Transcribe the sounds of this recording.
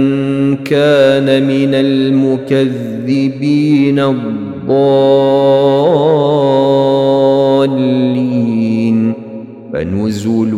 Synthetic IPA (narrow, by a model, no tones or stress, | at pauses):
nkaːnamɪnalmʊkaðːɪbiːnaðˤ | ɑː | lːin | fa̰nʊzul